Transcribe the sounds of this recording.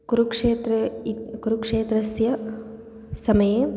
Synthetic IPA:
kuɾukʂeːt̪ɾɐkuɾukʂeːt̪ɾɐsjɐ | sɐmɐjeː

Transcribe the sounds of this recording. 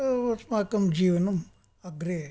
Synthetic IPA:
ɐsmaːkɐmd͡ʒiːʋɐnɐm | ɐɡɾe

